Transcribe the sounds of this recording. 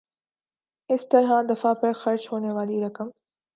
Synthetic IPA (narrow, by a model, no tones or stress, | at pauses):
ɪst̪ɐɾɦad̪ɐfapɐɾxɐɾt͡ʃɦoːneʋaːliɾɐkəm